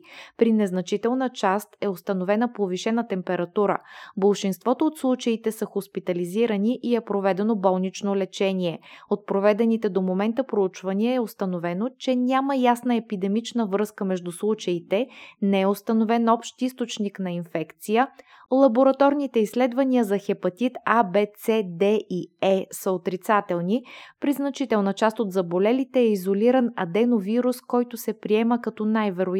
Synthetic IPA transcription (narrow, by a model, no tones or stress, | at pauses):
pɾinɛznɐt͡ʃit̪ɛlˠnət͡ʃast̪ɛost̪ɐnovɛnəpoviʃɛnət̪ɛmpɛɾɐt̪uɾə̰bəlˠʃinst̪vɔt̪oːt̪slˠut͡ʃɐit̪ɛsəxospit̪ɐliziɾəniʔiɛpɾovɛd̪ɛnobɔlˠnit͡ʃnolɛt͡ʃɛniɛot̪̚pɾovɛd̪ɛnit̪ɛd̪omomɛnt̪əpɾout͡ʃvɐniəɛost̪ɐnovɛnot͡ʃɛnʲaməjasnəɛpid̪ɛmit͡ʃnəvɾɤskəmɛʒd̪uslˠut͡ʃɐit̪ɛnɛɛʊst̪ɐnovɛnɔpʃt̪ist̪ot͡ʃniknɐinfɛkt̪sijə | lˠɐboɾɐt̪ɔɾnit̪ɛisːlɛd̪vɐniəzɐxɛpɐt̪it̪abɛt̪sɛd̪ɛʔiɛsəot̪ɾit̪sat̪ɛlˠnipɾiznɐt͡ʃit̪ɛlˠnət͡ʃast̪ot̪zɐbolɛlit̪ɛːizoliɾənɐd̪ɛnoviɾuskɔjt̪ʊsɛpɾiɛməkɐt̪ɔnajvɛɾʊ